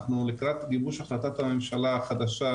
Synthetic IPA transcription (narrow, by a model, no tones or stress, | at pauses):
χnulikʁat̪ɡibuʃaχlat̪at̪hamemʃalaχad̪aʃa